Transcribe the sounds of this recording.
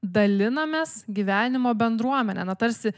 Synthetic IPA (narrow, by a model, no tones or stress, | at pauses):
d̪ɐlʲɪnɐmʲeːsɡʲiʋʲæːnʲɪmoːbʲɛnd̪ɾuɔmʲɛnʲɛ̰ːnɐt̪ɐɾʲsʲɪ